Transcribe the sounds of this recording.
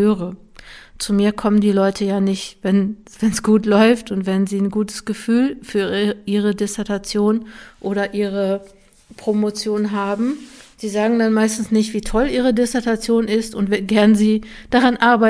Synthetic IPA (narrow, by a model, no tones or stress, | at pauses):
øːʁə | t͡sumiːɐkʰɔməndiːlɔʏtʰəjaːnɪçtvɛn | v̥ɛnsɡ̥uːtlɔʏftʊntv̥ɛnziːnɡuːtʰə̥sɡ̥əfyːlfyːɐʔiːʁ̞ədɪsɛɐtʰat͡sjoːnʔoːɾɐʔiːʁə | pʁ̥omot͡sjoːnɦaːbm̩z̥iːzaːɡŋ̩danmaɪstn̩snɪçtv̥iːtʰɔlʔiːʁədɪsɛɐtat͡sjoːnɪstʊntv̥ɛɡɛɐnəziː | d̥aʁanʔaɐbaɪ